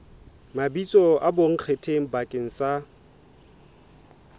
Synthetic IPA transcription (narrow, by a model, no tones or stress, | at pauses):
mabit͡sʼɔaboŋ̩q͡χʰetʰeŋ̩bakʼɪŋ̩sa